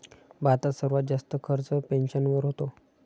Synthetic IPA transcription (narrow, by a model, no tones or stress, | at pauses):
bat̪asəɾʋat̪̚d͡zast̪əkʰəɾt͡səpenɕənʋəɾɦot̪o